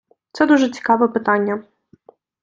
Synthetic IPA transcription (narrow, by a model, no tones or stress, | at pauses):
t̪sɛd̪uʒɛt͡sʲi̥kɑʋɛpɪt̪ɑnʲːɐ